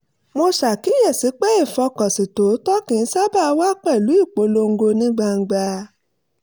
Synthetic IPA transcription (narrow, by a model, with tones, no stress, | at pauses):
mo˧sa˨ki˨˦jɛ˦˨si˨˦k͡pɛ˦i˦˨fɔ˧kɔ˨si˨to˨˦tɔ˦kĩ˨˧n̩˦sa˦ba˦˧wa˦k͡pɛ˦˨lu˨˦i˦˨k͡po˨˦lo˧ŋ̩˦ɡo˧nĩ˦ɡ͡ba˧ŋ̩˧ɡ͡ba˧